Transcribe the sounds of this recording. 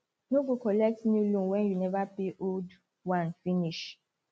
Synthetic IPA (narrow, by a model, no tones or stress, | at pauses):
noɡokɔlɛk̚tnulũmwɛnjunɛvapeʔold | wãnfiniʃ